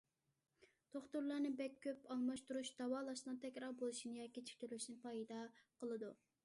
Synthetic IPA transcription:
t̪oχt̪uɾlˠɑɾnɨbɛkʲʰːøpɑŋmɑʃt̪uɾuʃd̪̥ɑwɑːlˠɑʃnɨnt̪ʰɛkʲɾɑɾbolˠuʃinɨjɑkʲːit͡ʃʰi̥k̚ʲt̪yɾlyʃinɪpʰɑjd̪ɑqəlˠɨd̪u

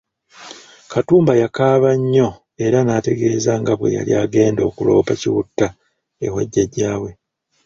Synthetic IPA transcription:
katuːmbajakaːβaɲːo̞ | e̞ɾanaːte̞ɡe̞ːzaŋɡaβwe̞̰ja̰liaːɡe̞ːndo̞ːkulo̞̰ːpaciwutːa | ḛhwo̰ɟːeɟaːβwe̞

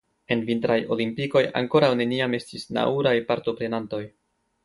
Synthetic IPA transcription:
e̞nvintɾajo̞̰limpiko̞ja̰ŋko̞ɾawne̞niame̞stisna̰uɾajpaɾto̞pɾe̞nanto̞j

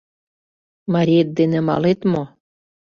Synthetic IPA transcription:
mɑɾʲiet̪̚d̪enĕmɑ̰let̪mo

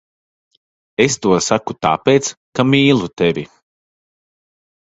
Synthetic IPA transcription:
est̪uɔsakut̪a̰ːpeːt̪skamiːlˠut̪evʲi

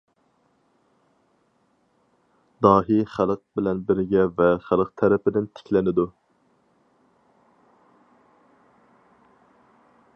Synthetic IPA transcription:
d̪ɑːɦiχælˠəq̚bɪlɛnbɪɾɡʲɛvɛχælˠəqt̪ʰɛɾɛpɪd̪ɪnt̪ʰɪ̥kʲlɪnɪd̪u

